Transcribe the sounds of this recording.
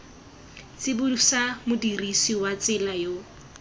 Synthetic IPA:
t͡sɪbʊdusamʊdirisiwat͡sʼɪlajo

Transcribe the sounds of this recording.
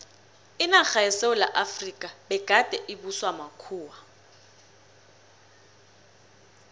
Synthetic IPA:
ɪnak͡xaɛseʊla̰ʔafrikʼabɛɡ̥ʱad̥ʱʼɛʔibuswamakʰuːwa

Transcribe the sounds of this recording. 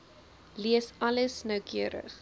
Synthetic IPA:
liəsɐləsnœwkʰiəɾə̰χ

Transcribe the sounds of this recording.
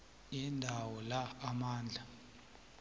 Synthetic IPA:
indʱawɔlaːmaːnd͡ɮʱa

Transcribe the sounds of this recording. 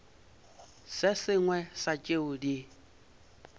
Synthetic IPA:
sɪsɪŋwɛsat͡ʃʼeʊdi

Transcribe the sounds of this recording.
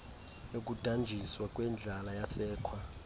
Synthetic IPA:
ok̬ʼud̥ʱand͡ʒʱiswak̬ʼwɛnd͡ɮʱalajasɛːkʰwa

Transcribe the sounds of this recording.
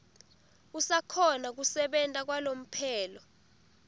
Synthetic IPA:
usakʰɔnak̬usɛɓɛntʼak̬walom̩pʰɛːlɔ

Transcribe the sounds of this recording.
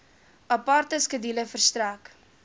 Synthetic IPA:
ɐpɑrt̪əskədiləfərst̪ɾæk

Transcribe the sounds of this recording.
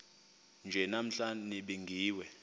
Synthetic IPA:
nd͡ʒʱɛnam̩ɬaniɓiŋɡʱiːwɛ

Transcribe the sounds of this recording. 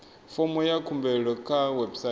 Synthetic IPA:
fɔmɔjakʰumbɛɺɔkʰawɛbsa

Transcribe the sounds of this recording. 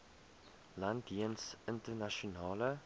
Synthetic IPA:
landiənsɪntərnaʃonɑːlə

